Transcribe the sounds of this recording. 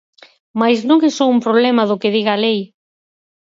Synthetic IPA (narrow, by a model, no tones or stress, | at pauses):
majznõŋesowumpɾoβlɛmɐðʊkɪðiɣɐaːlej